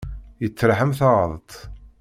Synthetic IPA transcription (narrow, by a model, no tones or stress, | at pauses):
jət͡sːɾħəmθɑʁə̰ðˤət̪ˤ